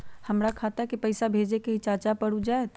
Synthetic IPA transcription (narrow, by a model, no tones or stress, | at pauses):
həmɾakʰaːt̪aɦɛkipɐɪsabʱeːd͡ʒekeɦit͡ʃaːt͡ʃapəɽud͡ʒaːet̪